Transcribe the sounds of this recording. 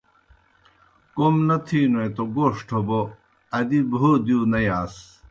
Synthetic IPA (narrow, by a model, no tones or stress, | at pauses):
komnɐt̪ʰiːnoẽt̪oɡoːʂʈʰobo | ɐd̪ibʱoːd̪ijunɐjaːs